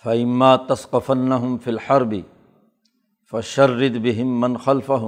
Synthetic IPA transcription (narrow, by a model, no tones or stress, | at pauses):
faʔɪmːaːt̪asqɑfanːaɦʊmfiːlħɑɾˤbɪ | faʃɐrːɪd̪bɪɦɪmːanxalfaɦʊm